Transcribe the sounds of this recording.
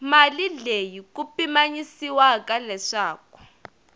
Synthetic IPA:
malilejik̬upimaɲisiwakalɛʂaːk̚ɔ̥

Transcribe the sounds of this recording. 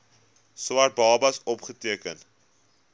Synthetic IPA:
swɐrt̚bɑːbɐsɔpχətiəkən

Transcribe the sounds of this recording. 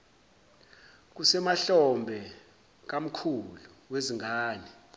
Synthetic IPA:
k̬usɛmaɬɔmbʱɛ | k̬am̩kʰulu | weziŋʱaːni

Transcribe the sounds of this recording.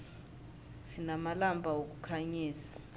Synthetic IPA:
sinamalambʱawok̬ʼukʰaɲiːzḁ

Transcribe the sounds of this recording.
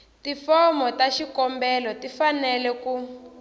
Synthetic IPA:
tifɔmɔtaʃikɔmbɛlɔtifanɛlɛku

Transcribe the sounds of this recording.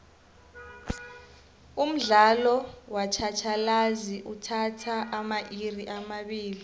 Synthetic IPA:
um̩ɮalɔwat͡ʃʰat͡ʃʰalaziʔutʰatʰaʔːmaʔiriʔamaɓiːli

